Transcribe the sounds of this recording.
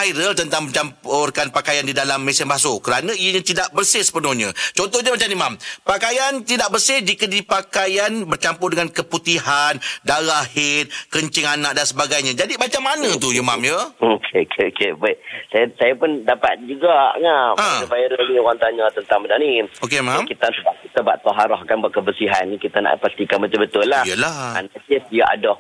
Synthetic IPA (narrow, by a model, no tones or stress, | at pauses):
ajɾəlt̪ənt̪aŋməɲt͡ʃampʊrkanpakajandidalamːesənbaasokəɾanə̃ijəɲãt̪idaʔbərsɪhsə̥pənɔhɲə̃t͡ʃɔnt̪ɔhɲəmət͡ʃanimampakajant̪idaʔbərsɪhd͡ʒikədipakajanbərt͡ʃampʊrdəŋankəput̪iɦandaɾahhɪt̪̚kəɲt͡ʃɪŋanak̚dansəbaɡajɲãd͡ʒadibat͡ʃaŋmanə̃t̪uima̰mjəokʰekʰeokʰebasajasajapʊndapa̰t̪̚d͡ʒuɡaŋaãəbajaɾaɲioɣaŋt̪aɲãt̪ənt̪aŋmənaniokemãmkit̪əsəbaʔ̚kit̪aba̰ʔt̪ɔɦaɾɔhkanbaʔkəbəsiɦanikit̪ana̰ʔpəst̪ikanmət̪ubət̪ʊlːaijəlaa̰nat̪ɪsdijaʔa̰dɔh